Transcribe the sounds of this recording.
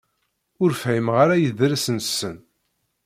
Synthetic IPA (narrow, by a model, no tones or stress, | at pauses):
ʊɾfʕimʁaɾajəðɾæsənsːən